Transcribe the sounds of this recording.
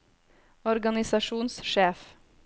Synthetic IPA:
ɔɾɡɑnɪsɑʃuːnsʃeːf

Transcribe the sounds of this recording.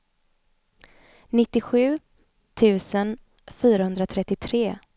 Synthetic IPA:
nɪt̪ːɪɧʉ̟ː | t̪ʰʉ̟ːsən | fyːɾahɵnd̪ɾat̪ʰɾɛt̪ːɪt̪ʰɾeː

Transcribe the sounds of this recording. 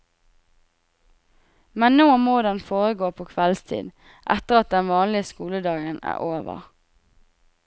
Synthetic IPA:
mɛnnoːmoːd̪ɛnfoːʁəɡoːpʰoːkʰʋɛlst̪ʰḭːd̪ | ʔɛt̪əʁɑt̪̚d̪ɛnʋɑːnlɪəskuːləd̪ɑːɡənæ̰ːʔoːʋə̰ʁ

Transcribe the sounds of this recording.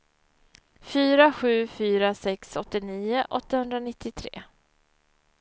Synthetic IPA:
fyːɾaɧʉ̟ːfyːɾasɛksɔt̪ːɪniːʊʔɔt̪ːahɵnd̪ɾanɪt̪ːɪt̪ʰɾḛː

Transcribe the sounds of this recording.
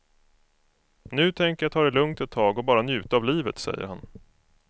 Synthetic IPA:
nʉ̟ːt̪ʰɛŋkəjat̪ʰɑːɾɛlɵŋt̪ɛt̪ʰːɑːɡɔbɑːɾanjʉ̟ːt̪aavliːvət̪sɛ̰jːə̰ɾhan

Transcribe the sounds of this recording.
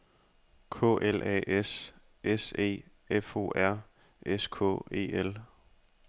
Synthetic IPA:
kʰɔ̰̽ːʔelʔɛ̰ːʔes | ʔese̝̰ː | efo̝̰ːʔæɐ̰ | eskʰɔ̰̽ːe̝̰ːel

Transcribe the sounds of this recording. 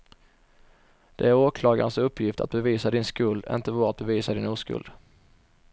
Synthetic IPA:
d̪̥ɛæɾoːkʰlɑːɡa̰nsɵpʰːjɪft̪ʰa̰t̪̚bɛviːsad̪ɪnskɵld̪ɪ̰nt̪əvɑːɾat̪̚bɛviːsad̪ɪnuːskɵ̰ld̪

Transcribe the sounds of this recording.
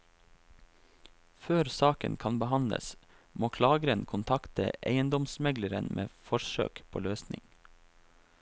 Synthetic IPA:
føːɾsɑːkə̰nkʰɑnbəhɑnlə̰s | moːkʰlɑːɡəɾənkʰʊnt̪ʰɑkt̪ə̰ʔeɪənd̪ɔmsmɛɡləɾənmʔḛːfɔʃø̰ːkpʰo̰ːløːsnɪ̰ŋ

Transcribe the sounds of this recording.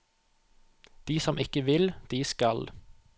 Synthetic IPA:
d̪̥iːsɔmʔɪkəʋɪld̪̥iːskɑl

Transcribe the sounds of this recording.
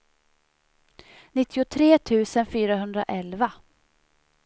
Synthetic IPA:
nɪt̪ʰːɪʊt̪ʰɾeːt̪ʰʉ̟ːsənfyːɾaɦɵnd̪ɾaʔɛlva

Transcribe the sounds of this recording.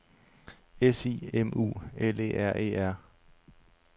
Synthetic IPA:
esḭːemṵːele̝̰ːʔæɐ̰ʔe̝̰ːæɐ̰

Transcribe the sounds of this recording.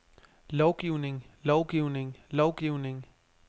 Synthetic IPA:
lɒʊɡ̥iʊne̝ŋlɒʊɡ̥iʊne̝ŋlɒʊɡ̥iʊne̝ŋ

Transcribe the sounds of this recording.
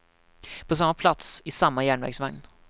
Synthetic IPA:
pʰɔs̬amːapʰlat̪sɪsamːajæːɳvæ̰ɾɡsvaŋn

